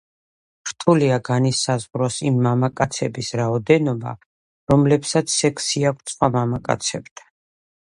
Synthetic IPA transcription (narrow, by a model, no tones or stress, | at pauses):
ɾt̪ʰʼuliaɡanisazʁɾɔsimːamakʼat̪sʰɛbisɾaɔd̪ɛnɔba̰ | ɾɔmlɛpsat̪sʰːɛkʰsiakʰt̪sʰʼχwamamakʼa̰t̪sʰɛbd̪̥ʰḁ